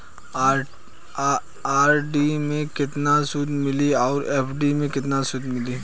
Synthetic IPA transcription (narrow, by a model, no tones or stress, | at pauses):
aːɾɖimẽkɪt̪nasʊd̪mɪliɔːɾeːpʰɖimẽkɪt̪nasʊd̪ʱmɪliː